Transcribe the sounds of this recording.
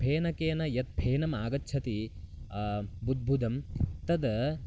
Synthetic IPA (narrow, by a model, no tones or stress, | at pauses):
bʱeːnɐkeːnɐjɐt̪̚bʱeːnɐmaːɡɐtːt͡ʃʰɐt̪i | bud̪̚bʱud̪ɐmt̪ɐd̪ɐ